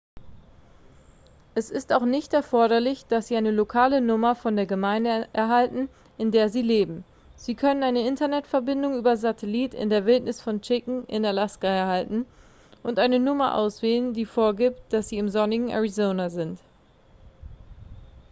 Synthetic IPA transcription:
ʔɛsɪstaʊxnɪçtɛɐfɔɐɾɐlɪçd̥asz̥iːaɪnəlokʰaːlənʊmɐfɔndeːɐɡəmaɪndəʔɛɐɦaltn̩ | ʔɪndeːɐziːleːbm̩ | z̥iːkʰœnənaɪnəɪntɐnɛtfɛɐbɪndʊŋyːbɐzatʰɛliːtɪ̰ndeːɐvɪltnɪsfɔnt͡ʃɪkŋ̩ʔɪ̰nalaskaɛɐhaltn̩ | ʔʊntʔaɪnənʊmɐʔa̰ʊsv̥eːləndiːfoːɐɡiːpt̚d̥asz̥iːɪmzɔnɪɡŋ̩ʔa̰ʁizoːnazɪnt

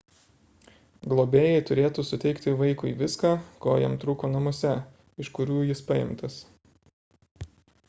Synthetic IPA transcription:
ɡlˠoːbʲeːjɛɪt̪ʊɾʲeːt̪usʊt̪ʲɛɪkt̪ʲɪʋɐɪkʊɪʋʲɪskaːkoːjɛ̰mt̪ɾuːkoːnɐmoːsʲɛ | ɪʃkʊɾʲuːjɪspɐjɪ̰mt̪ɐs

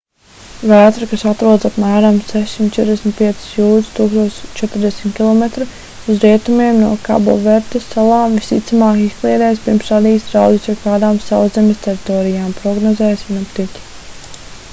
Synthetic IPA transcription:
væːt̪ɾukasat̪ɾuɔd̪zapmæːɾamsɛʃsimt̪̚t͡ʃɛt̪ɾd̪ʲɛsʲmʲt̪̚piɛt̪si̥sjuːd̪st̪uːkst̪uɔt͡ʃɛt̪ɾd̪ɛsmʲt̪kʲilˠɔmet̪ɾu | uzɾiɛt̪umiɛmnuɔka̰bo̰vɛɾt̪esːalˠaːmvist̪ḭt̪samaːkisklˠiːd̪ɛːjspiɾmsvad̪iːsɾawd̪isʲɔkaːd̪aːmsawzemʲɛst̪ʲɛɾit̪ɔːɾijaːmpɾɔɡnɔzɛːjsvʲinapt̪it̪ʲi̥

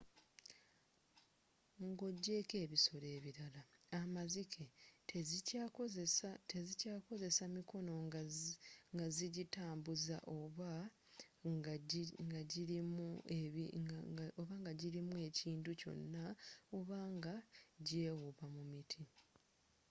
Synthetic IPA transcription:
ŋɡo̞ɟːe̞ːke̞ːβiso̞ɾe̞ːβiɾalaamazikʰe | tezicaːko̞ze̞samikʰo̞no̞ | ŋɡaziɟitaːmbuza̰ʔoβa | ŋɡaɟiɾimue | oβaŋɡaɟiɾimue̞ciːnduco̞̰nːao̞βaːŋɡaɟe̞ːwuβamumitʰi

